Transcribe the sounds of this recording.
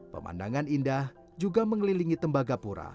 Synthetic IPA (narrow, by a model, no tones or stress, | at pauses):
pə̰mʔa̰ndaŋanindah | d͡ʒuɡaməŋliliŋit̪əmbaɡapuɾa̰